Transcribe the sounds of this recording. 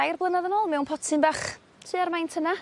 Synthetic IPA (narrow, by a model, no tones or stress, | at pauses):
ajrblˠənaðənoːlˠmɛwnpʰɔtʰɨnbaχ | tʰɨːarmajntʰəna